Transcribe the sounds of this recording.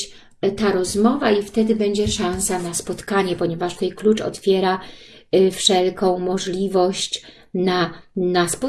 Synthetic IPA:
t̪aɾɔzmɔvaift̪ɛd̪ɘbɛɲd͡ʑɛʂañsanaspɔt̪kaɲɛpɔɲɛvaʂt̪ɛjklut͡ʂɔ̰t̪fʲjɛɾa | fʂɛlkɔ̃w̃mɔʐlʲivɔɕt͡ɕ | nanaspɔ

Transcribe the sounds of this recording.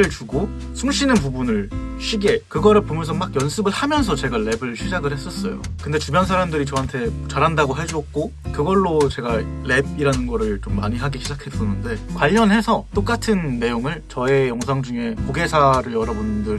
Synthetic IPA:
ɯɭt͡ɕuɡo | sʰumɕʰinɯnpubunɯɭɕʰiɡe̞kɯɡʌɾɯɭpomjʌnsʰʌmaɡjʌnsʰɯbɯɭhamjʌns̬ʰʌt͡ɕe̞ɡaɭe̞bɯɭɕʰid͡ʑaɡɯɭhe̞s͈ʌs͈ʌjo̰kɯndet͡ɕumjʌns̬ʰaɾamdɯɾit͡ɕʌɦantʰe̞t͡ɕaɾɦandaɡoɦe̞d͡ʑuʌk̚k͈okɯɡʌɭːot͡ɕe̞ɡaːe̞b̚iɾanɯnɡʌɾɯɭt͡ɕomːa̰ɲiɦaɡiɕʰid͡ʑakʰe̞tʌnːɯnde̞kwaʎːʌnɦe̞sʰʌt͈ok͈atʰɯnːe̞joŋɯɭt͡ɕʌe̞jʌŋsʰaŋd͡ʑuŋe̞koɡe̞sʰaɾɯɭjʌɾʌbundɯɾ

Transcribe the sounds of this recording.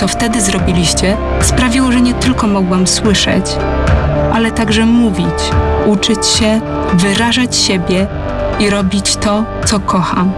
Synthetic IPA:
ɔft̪ɛd̪ɘzɾɔbʲilʲiɕt͡ɕɛ | spɾavʲiwɔʐɛɲɛt̪ɘlkɔmɔɡwamswɘʂɛ̰t͡ɕ | ʔalɛt̪aɡʐɛmuvʲit͡ɕut͡ʂɘt͡ɕɕɛ | vɘɾaʐat͡ɕɕebʲjɛ | iɾɔbʲit͡ɕt̪ɔt̪sɔkɔxa

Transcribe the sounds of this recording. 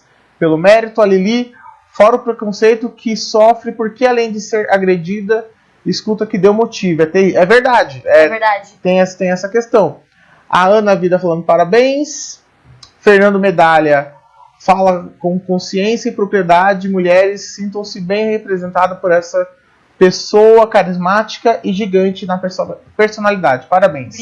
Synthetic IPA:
pelʊmɛɾit̪ʊaleli | fɔɾɐʊpɾekõsejt̪ʊkʰɪsɔfɾɪpoɾkealẽj̃d͡ʒ̪ɪseɾaɡɾed͡ʒid̪ɐ | ɪskut̪ɐkɪd̪ewmot͡ʃivʊɛt̪ɛiʔɛveɾd̪ad͡ʒɪɛad͡ʒt̪ẽj̃ɛsɐt̪ẽj̃ɛsɐkest̪ɐ̃w̃ | a̰ɐ̃nɐavid̪ɐfalɐ̃nd̪ʊpaɾabẽj̃s | feɾnɐ̃nd̪ʊmed̪aljɐ | falɐkõkõsiẽsjɐɪpɾopɾied̪ad͡ʒɪd͡ʒɪmuʎɛɾɪsːĩnt̪ɐ̃w̃sɪbẽj̃hepɾezẽnt̪ad̪ɐpoɾɛsɐ | pesowɐkaɾizmat͡ʃi̥kɐʔɪʒiɡɐ̃nt͡ʃɪnɐpeɾspeɾsonalid̪ad͡ʒɪpaɾabẽj̃s

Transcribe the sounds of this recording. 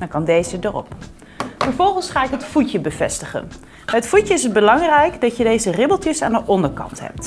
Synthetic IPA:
dɑkɑndejzədərɔ̰p | fəɹvɔlˠχənsχaːɪkɦətfucəbəvɛ̰stəχə̰n | ɦətfucəɪsəd̚bəlɑŋrɛjkdɑcjədejzərɪbəlˠtəsa̰ːndəʔɔndəɹkɑ̰ntɦɛ̰p̚t

